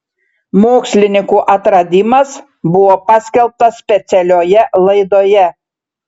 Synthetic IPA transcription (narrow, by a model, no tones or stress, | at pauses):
moːksʲlʲɪnʲɪŋkuːʔɐt̪ɾɐd̪ʲimɐs | bʊʋoːpɑsʲkʲɛlˠp̚t̪ɐsʲsʲpʲɛt̪sʲɛlʲoːjɛlˠɐɪd̪oːjɛ